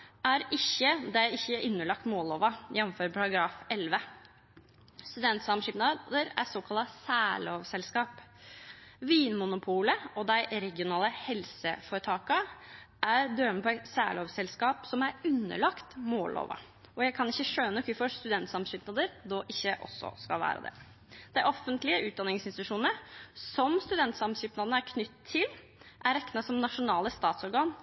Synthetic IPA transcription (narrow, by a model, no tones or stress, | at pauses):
ʔæɾɪçːəd̪æɪɪçːəʔʉnːəɭɑk̚t̪moːloːʋɑjɛnːmføːɾəpʰɑɾɑɡɾɑːfɛlʋə | st̪ʉd̪ɛnt̪sɑmʂɪːpnɑd̪əɾæ̰soːkʰɑlɑsæːɭoːʋsɛlskɑːp | ʋiːnmʊnʊpʰuːləɔd̪æɪɾɛɡɪʊnɑːləhɛlsə̰foːɾət̪ʰɑːkɑ | æɾd̪øːməpʰɔæɪt̪sæ̰ːɭoːʋsɛlskɑːpsɔmæɾʉnːə̰ɭɑkt̪moːlo̰ːʋɑ̰ | ɔjæɪkʰɑnɪçːəʂøːənəɔkʰʉfɔst̪ʉd̪ɛnt̪sɑmɕyːpnɑd̪əɾd̪oːʔɪçːəʔɔ̰sːɔ̰skɑlʋæ̰ːɾə̰d̪ɛ̰ | d̪̥æɪʔɔfːənt̪lɪəʔʉːt̪̚d̪ɑnɪŋsɪnsɪt̪ʉʂuːnəsɔmst̪ʉd̪ɛnt̪sɑmɕyːpnɑd̪nəæɾkʰnʏt̪ʰːɪl | ʔæɾɛkːnɑsɔmnɑʂʊnɑːləst̪ɑːt̪sɔɾɡɑːn